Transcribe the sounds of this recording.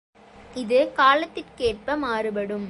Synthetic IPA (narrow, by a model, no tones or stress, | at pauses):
ɪðɯkaːlɐt̪ːɪʈkeːʈ̚pɐmaːɾɯpɐɽɯm